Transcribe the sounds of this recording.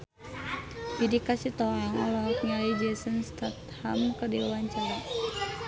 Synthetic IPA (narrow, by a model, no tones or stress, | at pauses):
bidikasit̪ɔaŋɔlɔkɲalid͡ʒɛsənst̪at̪ha̰mkərdilwaɲt͡ʃaɾa